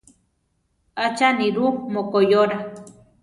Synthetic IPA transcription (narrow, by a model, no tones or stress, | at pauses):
at͡ʃaniɾumokojoɾa